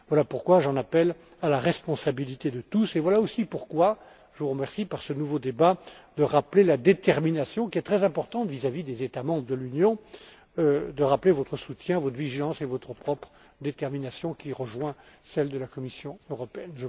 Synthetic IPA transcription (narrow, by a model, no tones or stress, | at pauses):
vwalapuʁkwaʒɑ̃napɛl | alaʁɛspɔ̃sabilit̪ed̪ət̪usevwalaosipuʁkwa | ʒəvuʁəmɛʁsipaʁsənuvod̪ebad̪əʁaplelad̪et̪ɛʁminasjɔ̃kʲiɛt̪χɛzɛ̃pɔʁt̪ɑ̃t̪vizavid̪ezet̪amɑ̃bʁəd̪əlynjɔ̃ | d̪əʁaplevɔt̪χəsut̪jɛ̃vɔt̪viʒilɑ̃sevɔt̪χəpχɔpχ | d̪et̪ɛʁminasjɔ̃kʲiʁəʒwɛ̃sɛld̪əlakɔmisjɔ̃øʁɔpeɛnʒə